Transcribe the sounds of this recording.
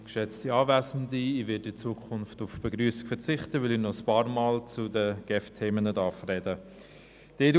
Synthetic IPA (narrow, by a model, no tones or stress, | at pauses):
kʃɛt͡stiɑːvæːzən̩diivɪːdɪt͡suːəkʰʊnftʊfb̥eɡɾyːsi̥kfɛɾt͡sɪχtəvɪlinɔəspɑːɾmaːlt͡sudəɡ̥ɛftʰeːmənədɑfrɛdə | d̥eːd